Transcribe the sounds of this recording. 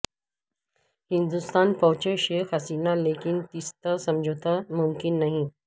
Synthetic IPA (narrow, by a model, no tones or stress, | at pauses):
hind̪ust̪anpəwt͡ɕeɕekʰasinalekint̪ist̪əsəmd͡ʑʱot̪əmumkinːaɦĩ